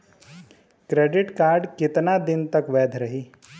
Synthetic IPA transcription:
kɾeːɖɪʈkaːɾɖkɪt̪nad̪ɪnt̪ɐkʋɛːd̪ʱɾɐɦiː

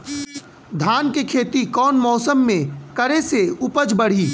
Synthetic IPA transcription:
d̪ʱaːnkekʰeːt̪ikɔːnmɔːsəmːẽkɐɾeseʊpəd͡ʒbɐɽ̤iː

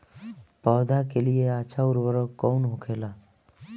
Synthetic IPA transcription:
pɔːd̪ʱakelieat͡ʃʰaʊɾʋəɾɔkɔːnɦʊkʰeːlaː

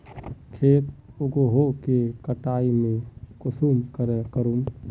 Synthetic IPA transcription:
kʰeːt̪oɡoɦokekəʈaːimẽkʊsuːmkəɾekəɾum

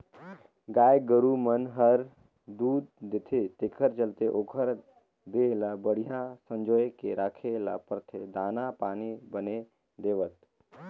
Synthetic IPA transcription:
ɡaːjɡəɾumənɦəɾ | d̪uːd̪d̪et̪ʰet̪ekʰəɾt͡ʃəlt̪eʔokʰəɾ | d̪elabəɽijasə̃ɲd͡ʒɔjkeɾaːkʰela̰pəɾt̪ʰed̪aːnapaːnibəne | d̪eːʋət̪̚

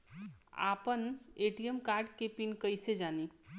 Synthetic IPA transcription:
a̰pəneʈijəmkaɾɖkepinkəjsed͡ʒani

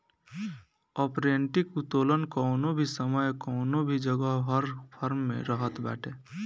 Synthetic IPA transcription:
ɔːpɾeːɳʈɪkut̪oːlənkɔːnobʱisəməjkɔːnobʱid͡ʒəɡəɦəɾpʰəɾmːḛ̃ɾəɦət̪bɛ̰ːʈʰeː

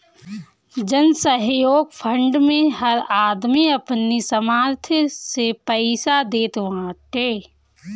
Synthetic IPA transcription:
d͡ʒənsəɦjoːɡpʰə̃ɳɖmẽɦɐɾaːd̪miɐpnisəmaːɾt̪ʰsepəɪsad̪eːt̪ʋãːʈeː

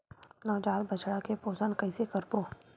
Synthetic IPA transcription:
nɔːd͡ʒaːd̪bɐt͡ʃɽakepoːsəɳkɐɪsekəɾboː

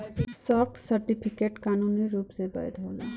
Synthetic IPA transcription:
sɔːfʈsəɾʈipʰikeʈkaːnuniɾuːpsebə̰jd̪ʱɦolḛ

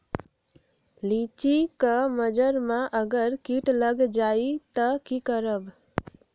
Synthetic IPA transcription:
lit͡ʃikəməd͡ʒəɾmãʔəɡəɾkiʈləɡd͡ʒait̪əkikəɾəb

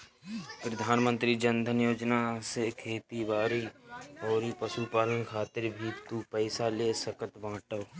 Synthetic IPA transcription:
pɾəd̪ʱaːnmə̃nt̪ɾid͡ʒə̃nd̪ʱənjoːd͡ʒnasekʰeːt̪ibaːɾiɔːɾipəʃupaːlənkʰaːt̪ɪɾbʱiːt̪upɛːɪsaleːsəkət̪bãːʈəʋ

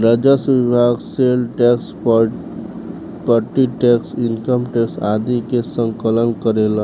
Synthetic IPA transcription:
ɾəd͡ʒasʋibʱaɡselʈɛks | pəɾʈiʈɛksɪnkəmʈɛksad̪ikesə̃ŋkələnkəɾela

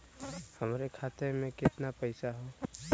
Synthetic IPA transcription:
həmɾekʰaːt̪emẽkɪt̪napəɪsaɦo

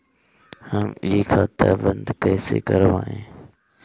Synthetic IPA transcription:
həmɪikʰãːt̪aːʋənd̪kəːseːkəɾʋãːɦẽː

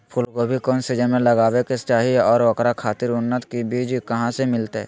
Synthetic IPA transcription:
pʰʊlkobʱikɔːnsɪd͡ʒənmẽləɡaːwekest͡ʃaːɦiɔːɾokɾakʰaːt̪ɪɾʊnːət̪kibiːd͡ʒkɐɦãsemɪlt̪ɛ̰ː

